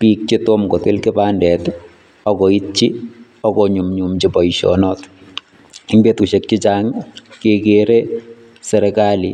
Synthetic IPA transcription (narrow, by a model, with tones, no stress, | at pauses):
piː˦k̚t͡ʃɪtomko˨tɪ˦lkɪ˦paːndɛ˨t | ɔ˦kɔ˨i˦tt͡ʃi˦ | ɔ˦kɔɲu˨mɲumt͡ʃɪpɔ˨iʃɔ̰nɔt | ɪŋbe˦tu˨ʃe˨k̚t͡ʃɪ˦t͡ʃaŋkekeɾe | sɛ˨ɾɛkali